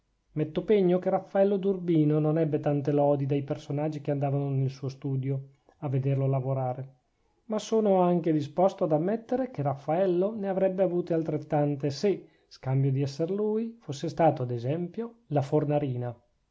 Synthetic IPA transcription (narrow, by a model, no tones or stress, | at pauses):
mɛt̪ːopeɲːokerafːaɛlːod̪urbiːnononɛbːet̪ant̪elɔːd̪id̪ajpersonad͡ʒːik̟eand̪aːvanonelsuːost̪uːd̪jo | avːed̪erloalavoɾaːɾe | masoːnoaŋked̪ispɔst̪oad̪amːɛt̪ːeɾekerafːaɛlːoneavɾɛbːeavuːt̪ealt̪ɾet̪ːant̪ese | skambjod̪iɛsːeɾluːjfosːest̪aːt̪oad̪ezɛmpjolafornaɾiːna